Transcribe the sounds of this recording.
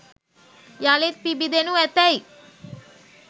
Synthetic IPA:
jaːlet̪̚pibid̪enuɛt̪ːɛj

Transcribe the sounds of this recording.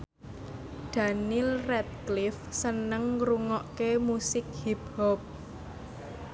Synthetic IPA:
d̪̥a̤nilrɛt̪̚klɪfsənəŋɾuŋɔʔkemusɪk̚hibhɔp̚

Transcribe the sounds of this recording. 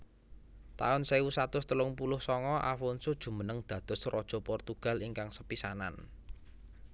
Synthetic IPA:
t̪a̰ʊnsewusat̪ʊst̪əlʊŋpulʊhsɔŋɔʔa̰fɔnsud̥ʒ̥ṳmənəŋd̪̥ä̤d̪̥ɔ̤srɔd̥ʒ̥ɔ̤pɔrt̪uɡ̥ä̤liŋkaŋsəpisana̰n

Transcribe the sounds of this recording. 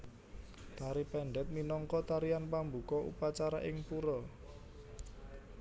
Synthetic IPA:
d̪̥aɾipɛɳɖɛt̪̚minɔŋkɔt̪aɾianpambṳkɔʔṵpat͡ʃaɾaʔɪŋpuɾɔ

